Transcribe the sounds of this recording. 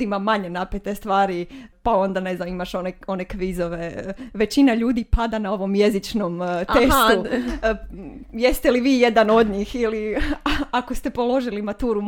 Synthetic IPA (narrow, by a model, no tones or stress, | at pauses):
imamaɲe̞napet̪est̪ʋaːɾipao̞nd̪ane̞znamimaʃoneo̞nekʋizoʋeʋe̞t͡ɕinaʎuːd̪ipad̪anao̞ʋo̞mje̞zit͡ʃnomt̪est̪u | jest̪e̞liʋiːjed̪ano̞d̪ɲixili | akost̪e̞po̞lo̞ʒilimat̪uːɾum